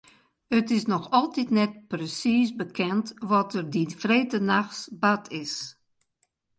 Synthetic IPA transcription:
ətɪsnɔxɔlˠtitnɛt̚prəsisbəkʰɛntʋɔtərdinfreːtənaxsbatʰɪs

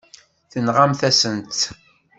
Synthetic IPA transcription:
θənʁamθæsənt̪

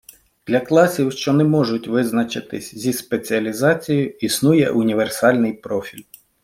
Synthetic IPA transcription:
d̪̥lʲɐklˠɑsʲiwʃt͡ʃɔnɛmɔʒʊtʲʋɪznɐt͡ʃɪt̪ɪsʲzʲispet͡sʲiɐlʲizɑt͡sʲijʊisnujɛ̰ʔʊnʲiʋersɑlʲnɪjpɾɔfʲilʲ

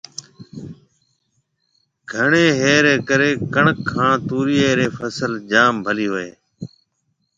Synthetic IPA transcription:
ɡʱəɳeːɦeːɾeːkəɾeːkəɳəkʰːãːt̪uːɾiːeːɾeːfʰəsəld͡ʒaːmbʱəliːɦoːḛː

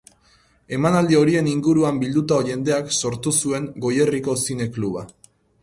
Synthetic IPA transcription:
e̞manald̪io̞ɾie̞niŋɡuɾuambild̪ut̪aoʝe̞nd̪e̞akso̞ɾt̪usue̞ŋɡo̞je̞riko̞sine̞kluβa

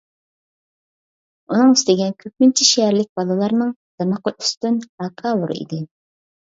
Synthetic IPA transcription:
unɨŋyst̪ɪɡʲɛnkʲʰøp̚mynt͡ʃʰiʃeɛɾlɪk̚ʲbɑlˠɨlˠɑɾnɨŋd̪̥ɑmɑqəʔyst̪ynɑkʰɑːbuɾ̰ḭd̪ɪ

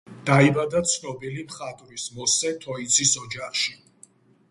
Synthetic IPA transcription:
d̪̥aibad̪at̪sʰnɔbilimχat̪ʼɾismɔsɛt̪ʰɔit̪sʰʼisɔd͡ʒaχʃi

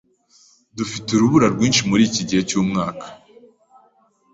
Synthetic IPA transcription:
dufituɾuβuɾaɾɡwiːnʃimuɾiːciɟihe̞cuːmŋaːkḁ

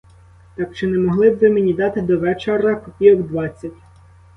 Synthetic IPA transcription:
t̪ɑkt͡ʃɪnɛmɔɦlˠɪbʋɪmenʲid̪ɑt̪ɪd̪ɔʋɛt͡ʃeɾɐpɔpʲiɔɡd̪ʋɑt͡sʲːɐtʲ

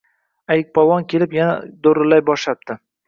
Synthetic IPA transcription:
ajɪk̚ʲpʰɒwɒnkʲʰe̞lɪpjana̰d̪oɾɪlːajbɒʃlap̚t̪ʰɪ

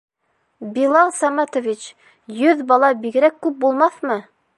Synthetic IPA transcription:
bilˠɑlˠsɑmɑt̪ovʲit͡ɕ | jɵðbɑlˠɑbiɡɘ̆ɾækːʉp̚bulˠmɑθmɤ

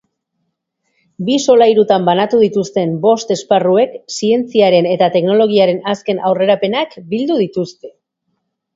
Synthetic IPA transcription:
biso̞lajɾut̪ambanat̪uðit̪ust̪e̞mbo̞st̪e̞sparue̞ksie̞nt͡siaɾe̞ne̞t̪at̪e̞kno̞lo̞ɣ̞iaɾe̞naske̞nʔawre̞ɾape̞nakbild̪uðit̪ust̪e̞

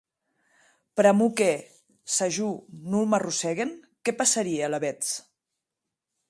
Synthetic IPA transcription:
pɾamuke | saʒunulmarusɛɣen | kɛpasaɾiealaβɛt͡s

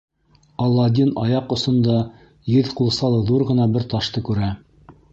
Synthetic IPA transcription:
ɑlˠːɑd̪ʲinɑjɑqŏsŏnd̪ɑ | jɘðqulˠsɑlˠɤ̆ðuɾʁɤ̆nɑbɘɾt̪ɑʃt̪ɤkʉɾæ

